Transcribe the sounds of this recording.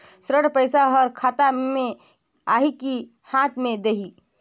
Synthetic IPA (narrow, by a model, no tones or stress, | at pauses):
sɾəɽpəjsaɦəɾkʰat̪amẽ | aɦiki | hãt̪ʰmẽd̪eɦi